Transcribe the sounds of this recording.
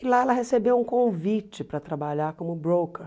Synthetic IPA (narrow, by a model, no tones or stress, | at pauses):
ɪlaɛlɐɦesebewũkõvit͡ʃɪpɾɐt̪ɾabaʎaɾkõmʊbɾokeɾ